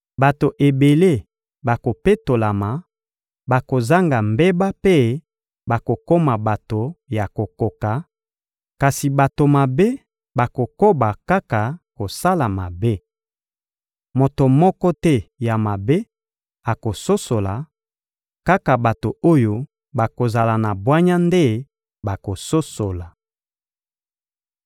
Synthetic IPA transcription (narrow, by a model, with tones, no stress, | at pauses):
ba˨to˨ʔe˨be˨le˦˨ | ba˨ko˨pe˦to˨la˨ma˨ | ba˨ko˨za˦ŋɡa˨mbe˦ba˦pe˦ | ba˨ko˨ko˦ma˨ba˨to˨ja˨ko˨ko˨ka˨ | ka˨si˨ba˨to˨ma˨be˦ | ba˨ko˨ko˦ba˨ka˦ka˨ko˨sa˦la˨ma˨be˦ | mo˨to˨mɔ˦kɔ˦tɛ˦ja˨ma˨be˦ | a˨ko˨so˦so˨la˨ | ka˦ka˨ba˨to˨o˦jo˦ | ba˨ko˨za˨la˨na˨bwa˦ɲa˦nde˦ | ba˨ko˨so˦so˨la˨